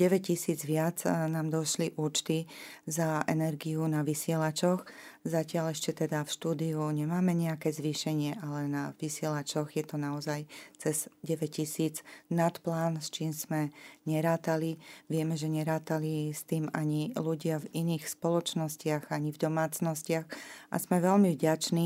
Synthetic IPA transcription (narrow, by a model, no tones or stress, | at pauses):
ɟɛʋɛccisiːd͡zʋɪad͡znaːmd̪ɔʃliʔuːt͡ʃt̪izaɛ̰nɛɾɡijunaʋisɪɛlat͡ʃɔxzacɪalɛʃcɛt̪ɛd̪afʃt̪uːd̪iuɲɛmaːmɛɲɛakɛːzʋiːʃɛɲɪɛʔalɛnaʋisɪɛlat͡ʃɔɣjɛt̪ɔnaɔzajt͡sɛzɟɛʋɛcisiːd͡znat̪plaːnst͡ʃiːmz̥mɛɲɛɾaːt̪aliʋɪɛmɛʒɛɲɛɾaːt̪alist̪iːmaɲiluɟɪaviniːxspɔlɔt͡ʃnɔscɪaɣaɲivd̪ɔmaːt͡snɔscɪaxʔa̰zmɛʋɛlmivɟat͡ʃni